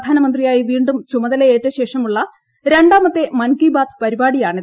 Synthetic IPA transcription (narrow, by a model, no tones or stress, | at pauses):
d̪ʱaːnɐmɐnd̪rijaːjiʋiːɳɖumt͡ɕumɐðɐlɐeːtːɐɕe̞ːʂɐmuɭːɐ | ɾe̞ɳɖaːmɐt̪ːe̞mɐnkiːbaːt̪ʰpɐɾibaːɽijaːɳɨ